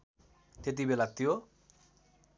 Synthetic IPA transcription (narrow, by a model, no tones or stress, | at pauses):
t̪et̪̬ibelat̪ijo